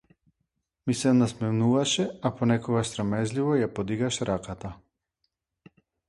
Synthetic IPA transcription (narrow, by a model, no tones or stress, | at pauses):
misɛnasmɛmnuvaʃɛapɔnɛkɔɡaʃsɾɔmɛzlivɔjapɔd̪iɡaʃɾakat̪a